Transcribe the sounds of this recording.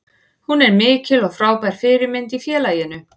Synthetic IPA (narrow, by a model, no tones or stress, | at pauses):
hunɛɾmɪːcɪlɔɣfɾaːwpajɾ̥fɪːɾɪɾmɪnt̪ifjɛːlaːjɪnʏ